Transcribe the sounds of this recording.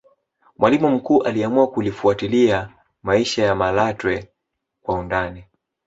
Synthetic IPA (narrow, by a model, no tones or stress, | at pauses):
mwalimum̩kuːʔaliamuakulifuatilia | maiʃajamalatwɛ | kwaundani